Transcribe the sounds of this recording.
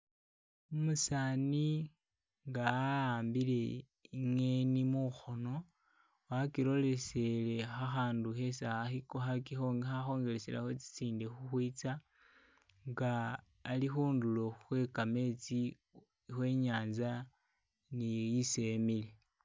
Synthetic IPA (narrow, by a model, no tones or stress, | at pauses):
umusani | ŋɡaːaːmbile̞ | iŋenimuxo̞no̞ | wakiɾo̞le̞se̞le̞xaxaːnduxe̞saaxikoxakixoŋɡxaxo̞ːŋɡe̞lesela̰xot͡si̥t͡siːndexuxwiːt͡sa | ŋɡaː | lixuːndulo̞xuxwe̞kame̞t͡si | xwe̞ːɲaːnza | nijisemile